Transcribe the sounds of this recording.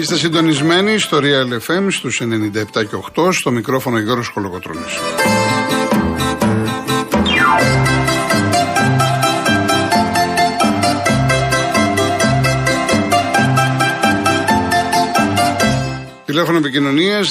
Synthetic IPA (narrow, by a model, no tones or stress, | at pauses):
ist̪es̬ind̪o̞nizme̞niːst̪o̞ɾiɐelefe̞mst̪use̞nenind̪ɐept̪ɐce̞oxt̪o̞st̪o̞mikɾo̞fo̞noʝoɾosxo̞loɣot̪ɾo̰nis | t̪ile̞fo̞noepicino̞niɐs